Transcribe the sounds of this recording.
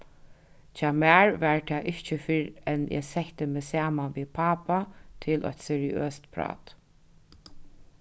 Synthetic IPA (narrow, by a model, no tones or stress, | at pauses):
t͡ʃaːmæːɹʋæɹt̪ʰɛːʔɪht͡ʃəfɪɾɛnʔɛ̰sɛht̪əmɛːsaːmanʋiːpʰaːpat̪ʰɪlʔɔ̰t̪sɛɹɪø̰ːst̪pʰɾɑ̰ːt̪